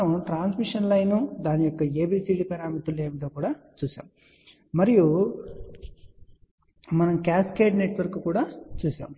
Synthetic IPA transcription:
ɐmʈɾaːnsmiʂɐnlɐjnud̪aːnijɔkːɐe̞ːbiːsiːɖipɐɾaːmɐt̪ulːeːmiʈ̪oːkuːɽaːt͡ʃuːsa̰ːmu | mɐɾiju | mɐnɐmkaːskeːʈne̞ʈʋɐɾkukuːɽaːt͡ʃuːsa̰ːm

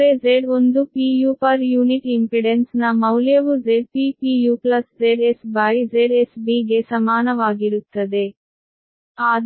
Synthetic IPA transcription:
ɾed͡ʒeɖond̪upiːjuːpaɾjuːniʈimpɾiɖensnɐmɐwljɐʋud͡ʒeɖ̚piːpiːjuːplɐsd͡ʒeɖesbajd͡ʒeɖesbiːɡesɐmaːnɐʋaːɡiɾut̪ːɐd̪e | aːd̪

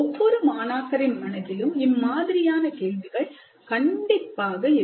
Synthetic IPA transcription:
ɔʋːɔɾɯmaːnaːkɐɾɪnmɐnɐtːɪlɯmɪmːaːðɪɾɪjaːnɐkeːɭʋɪɣɐɭ | kɐɳɖɪpːaːɣɐɪ

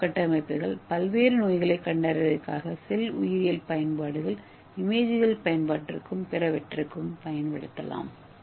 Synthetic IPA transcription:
kɐʈːɐmɐɪpːɯɣɐɭpɐlʋeːɾɯnoːjɣɐɭɐɪkːɐɳɖaːɾɪʋɐðɐkːa̰ːɣɐsɛlʊjɪɾɪjɐlpɐjɐnpaːɽɯɣɐɭ | ɪmeːðɪɣɐlpɐjɐnpaːʈːrɯkːɯmpɛɾɐʋɛʈrɯkːɯmpɐjɐnʋɪɽɯt̪ːɐ̰la̰ːm

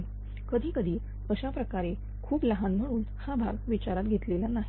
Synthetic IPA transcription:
kəd̪ʱiːkəd̪ʱiː | əɕapɾəkaɾe | kʰuːpləɦanm̤əɽ̃uːn | habʱa̰ɡʋit͡ɕaɾat̪̚ɡʱet̪lelanaɦi

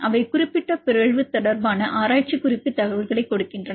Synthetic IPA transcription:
ʔɐʋɐɪkʊrɪpːɪʈːɐpɪɾɐɻʋɯt̪ːɔɽɐɾbaːnɐʔaːɾaːʈ̚t͡ʃikʊɾɪpːɯt̪ɐɣɐʋɐɭɣɐɭɐɪkːɔɽɯkːɪndrɐnɐ

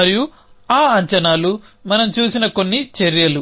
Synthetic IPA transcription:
ɐɾiju | aːɐɲt͡ʃɐnaːlumɐnɐmt͡ʃuːsinɐko̞nːit͡ʃeɾjɐlu

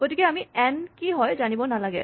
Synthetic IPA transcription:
ɡ̥otikɛamiɛnkiɦɔjzanibɔnalaɡɛ̰

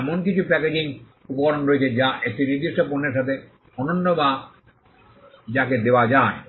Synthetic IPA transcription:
ɛmonkit͡ɕʰupɛked͡ʑiŋ | upokaɾonɾoet͡ɕʰed͡ʑaʔek̚ʈiniɾd̪iʃʈoponːeɾʃat̪ʰe | ɔnonːoba | d͡ʑaked̪eoad͡ʑae

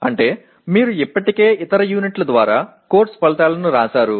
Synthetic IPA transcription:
ɐɳʈe̞ː | miːɾuipːɐʈike̞ːʔit̪ɐɾɐjuːniʈlɐd̪ʋaːɾaːko̞ːɾʈspɐɭɐt̪aːlɐnuɾaːsaːɾu

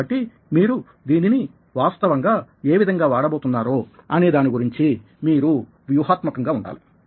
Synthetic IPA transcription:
ɐʈːi | miːɾu | d̪iːnini | ʋaːst̪ɐʋɐŋɡaːe̞ːʋid̪ʱɐŋɡaːʋaːɽɐbo̞ːt̪unːaːɾoːɐne̞ːd̪aːniɡuɾiɲt͡ʃi | miːɾu | ʋjuɦaːt̪mɐkɐŋɡaːuɳɖa̰ːli

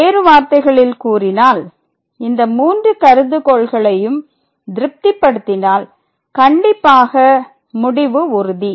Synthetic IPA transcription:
eːɾɯʋaːɾt̪ɐɪɣɐɭɪlkuːrɪnaːl | ɪnd̪ɐmuːndrɯkɐɾɯðɯkɔːɭɣɐɭɐjɯm | d̪ɪɾɯp̚t̪ɪpːɐɽɯt̪ːɪnaːl | kɐɳɖɪpːaːɣɐ | mʊɽɪʋɯʊɾɯði

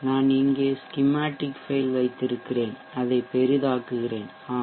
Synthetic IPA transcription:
naːnɪŋɡeːskɪmaːʈːɪkfeɪlʋɐɪt̪ːɪɾɯkːɪreːn | ɐðɐɪpɛɾɯðaːkːɯɣɪreːn | aː

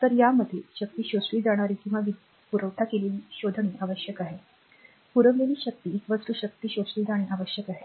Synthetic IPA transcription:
t̪əɾjaməd̪ʱːjeɕək̚t̪iːɕosɭiːd͡zaɽ̃aɾiːkĩw̃ʋaʋi | puɾəʋʈʰakeleliɕod̪ʱəɳiʔaʋəɕjəkaɦe | puɾəʋleliːɕək̚t̪iːkʋət͡sɾuɕək̚t̪iːɕosɭiːd͡zaɽ̃eʔaʋəɕjəkaɦe

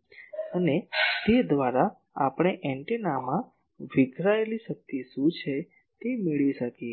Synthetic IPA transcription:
ənet̪ed̪ʋaɾa | apɽ̃eʔɛ̃ɳʈinamã | ʋɪɡʱɾaeliʃək̚t̪iʃũt͡ʃʰe | t̪emiɭʋiʃəkie

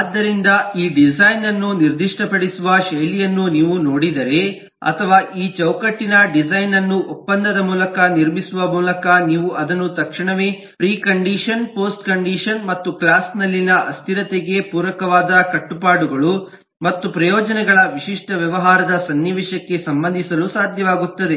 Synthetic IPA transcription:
aːd̪ːɐɾind̪ɐiːɖid͡ʒɐjnɐnːuniɾd̪iʂʈɐpɐɽisuʋɐʃɐjlijɐnːuniːʋunoːɽid̪ɐɾe̞ | ɐ̰t̪ʰɐʋaːʔiːt͡ʃɐwkɐʈːinɐɖid͡ʒɐjnɐnːuʔɔpːɐnd̪ɐd̪ɐmuːlɐkɐniɾmisuʋɐmuːlɐkɐniːʋuʔɐd̪ɐnut̪ɐkʂiɳɐʋe̞ː | pɾiːkɐɳɖiːʂɐnpoːsʈkɐɳɖiːʂɐnmɐt̪ːuklaːsnɐlːinɐʔɐst̪ʰiɾɐt̪eɡe̞puːɾʋɐkɐʋaːd̪ɐkɐʈːupaːɽuɡɐɭu | mɐt̪ːupɾɐjɔːd͡ʒɐnɛɡɐɭɐʋiʂiʂʈɐʋjɐʋɐɦaːɾɐd̪ɐsɐnːiʋiʃɐkːe̞sɐmbɐnd̪ʱisɐlusaːd̪ʱjɐʋaːɡut̪ːɐd̪e̞

